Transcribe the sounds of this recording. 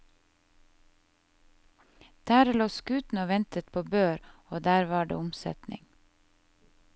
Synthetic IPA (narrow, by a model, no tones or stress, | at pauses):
d̪̥æːɾloːskʉːt̪n̩oːʋɛnt̪ət̪̚pʰoːbøːɾoːd̪æːɾʋɑːɖḛːʊmsɛ̰t̪nɪ̰ŋ